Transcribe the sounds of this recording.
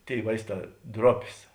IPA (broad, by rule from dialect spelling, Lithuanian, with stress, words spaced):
ˈtʲeːɪ ˈʋɐɪsˌtɑː ˈdroːpʲeːs